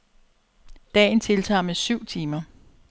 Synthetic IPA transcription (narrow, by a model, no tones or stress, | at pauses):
d̥ɛ̰ɪnt͡sʰe̝lt͡sʰɑ̰̈ːmesyʊ̰t͡sʰiːmɐ